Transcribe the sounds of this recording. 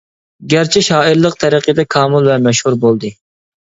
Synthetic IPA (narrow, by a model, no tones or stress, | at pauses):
ɡʲæɾt͡ʃʰiɪʃɑːiɾlˠəq̚t̪ʰɛɾəqʰəd̪ɛkʰɑːmulˠvɛmɛʃhuɾbolˠd̪ɨ